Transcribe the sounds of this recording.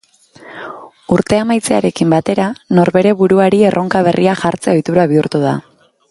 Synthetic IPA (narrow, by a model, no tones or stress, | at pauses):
uɾt̪e̞amajt͡se̞a̰ɾe̞kimbat̪e̞ɾano̞ɾβe̞ɾe̞βuɾuaɾie̞rʔo̞ŋkaβ̞e̞rʔiaxaɾt͡se̞o̞jt̪uɾaβiuɾt̪uð̞a̰